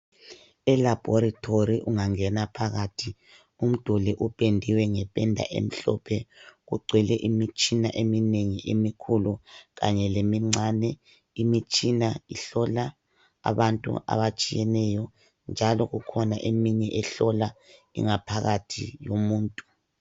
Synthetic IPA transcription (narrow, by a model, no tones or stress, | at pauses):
ɛlab̥ʱɔɾatʰoɾiʔuŋaŋɛnapʰaɣatʰi | um̩d̥ʱulɛʔupʼendʱiwɛŋɛpʼɛndʱa̰ʔḛm̩ɬɔpʰɛɣuɡ͡ǀʱilɛʔimit͡ʃʼinaʔemineŋiʔemikʰuluɣa̰ɲɛlemiŋ͡ǀʱanɛ | imit͡ʃʼinaiɬɔla | a̰βantʼṵʔa̰βat͡ʃʼijɛnɛjɔ | nd͡ʒʱalɔɣukʰɔnaʔemiɲɛʔɛɬɔlaḭŋapʰaɣatʰḭjomuːntʼu